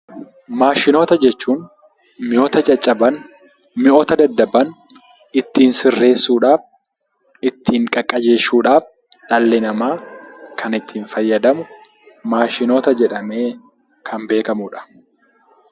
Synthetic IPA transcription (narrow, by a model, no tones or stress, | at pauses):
maːʃɪno̞ːt̪ɐd͡ʒɛt͡ʃːuːn | mɪʔoːt̪ɐt͡ʃʼɐt͡ʃʼːɐbɐn | mɪʔoːt̪ɐd̪ɐd̪ːɐbɐn | ɪt̪ːiːnsɪrːe̞ːsːuːᶑaːf | ɪt̪ʰːiːŋkʼɐkʼːɐd͡ʒe̞ːʃːuːᶑaːf | ᶑɐlːɛnɐmaːkʰɐnɪt̪ʰːiːnfɐjːɐd̪ɐmʊ | maːʃɪno̞ːt̪ɐd͡ʒɛᶑɐme̞ː | kʰɐmbe̞ːkɐmuːᶑɐ̥